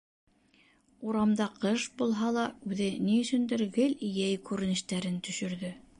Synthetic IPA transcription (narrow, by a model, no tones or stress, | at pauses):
uɾɑmd̪ɑqɤʃbulˠɦɑlˠɑʉðɘniɵ̆sɵ̆nd̪ɘ̆ɾɡɘlijæjkʉɾɘ̆nɘ̆ʃt̪æɾɘnt̪ɵ̆ʃɵ̆ɾðɵ